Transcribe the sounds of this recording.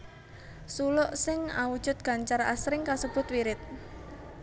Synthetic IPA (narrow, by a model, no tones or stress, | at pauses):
sulɔʔsɪŋawud̥ʒ̥ʊ̤t̪̚ɡ̥a̤ɲt͡ʃara̰sɾɪŋkasəb̥ʊ̤t̪wiɾɪt̪̚